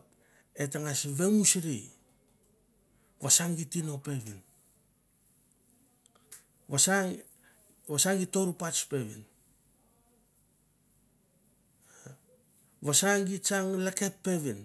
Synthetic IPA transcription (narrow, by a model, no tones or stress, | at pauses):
etaŋasβe̞musɾij | βasaŋɡitino̞pe̞βin | βasaŋ | βasaŋɡito̞ɾupat͡ʃpe̞βḭn | βasaŋɡit͡ʃaŋlakepːe̞βin